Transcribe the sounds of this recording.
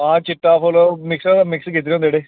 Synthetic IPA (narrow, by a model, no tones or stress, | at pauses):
ãːt͡ɕɪʈːaːfoːloːmɪksat̪amɪkskiːt̪ːɾjõːd̪eːɽeː